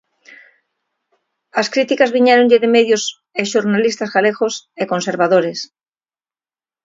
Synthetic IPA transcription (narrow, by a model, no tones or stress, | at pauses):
askɾit̪ikazβiɲeɾoɲʎeðemeðjos | eʃoɾnalist̪azɣalexoseko̞nseɾβaðoɾes